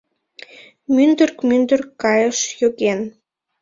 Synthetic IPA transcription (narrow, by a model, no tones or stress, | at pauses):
mynd̪ərkmynd̪ərkːɑjəʃjoɣen